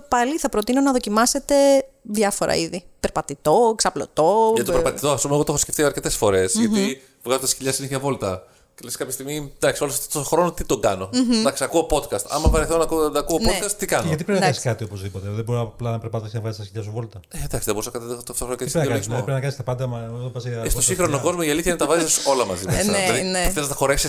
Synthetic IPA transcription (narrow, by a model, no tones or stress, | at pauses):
pɐliθɐpɾot̪ino̞nɐðo̞cimɐse̞t̪e̞ðʝɐfo̞ɾʔɐ̰iðipeɾpɐt̪it̪o̞ksɐplo̰t̪o̞ʝɐtt̪opeɾpɐt̪it̪o̞ɐspumeɣot̪xoskceft̪ioɐɾce̞t̪e̞sfo̞ɾe̞sʝɐi | vɣɐzot̪ɐsçiʎɐsineçɐvo̞lt̪ɐ | celeskɐpçest̪iɣmid̪ɐksioloɐft̪ot̪oxɾo̞not̪it̪oɡɐno̞d̪ɐksiɐkuopo̞t̪kɐst̪ɐ̰mɐvɐɾeθonɐkːkuopot̪kɐst̪ːikɐnʝɐt̪̬ipɾeinɐɐsi̥kɐt̪iopozðipot̪eðeboɾplɐnɐpeɾpɐt̪ɐsinɐvɣɐzist̪ɐsçiʎɐsuvo̞lt̪ɐed̪ɐksiðebo̞ɾusnɐɐt̪tt̪oft̪oxɾokeisɾeinspɾeinɐkɐnist̪ɐpɐnd̪ɐmɐopɐsiest̪osiŋxɾonoko̞zmoiɐliθçɐinet̪ɐvɐziso̞lɐmɐziesɐɐðinθelizntɐxo̞ɾe̞fsi